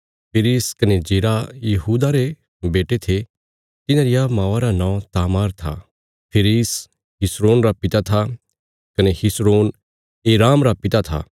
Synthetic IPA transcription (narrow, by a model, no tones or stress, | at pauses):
pʰɪɾiːskɐned͡ʒeːɾajɐɦuːd̪aɾe | beːʈet̪ʰe | t̪ɪnãɾɪjamãːʋaɾanãːt̪aːmaːɾt̪ʰa̰ | pʰɪɾis | ɦɪsɾoːnɾapɪt̪at̪ʰa | kɐnehɪsɾoːn | eːɾaːmɾapɪt̪at̪ʰa̰ː